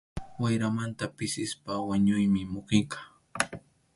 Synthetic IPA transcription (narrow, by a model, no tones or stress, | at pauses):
wajɾamant̪apɪsɪspawaɲʊjmɪmʊqɪɴkɑ̥